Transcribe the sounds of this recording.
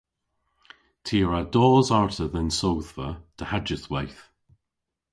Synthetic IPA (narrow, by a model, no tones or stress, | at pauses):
tʰiːɹadɔːzaɹtʰəðənsowðvətʰəhad͡ʒəθwajθ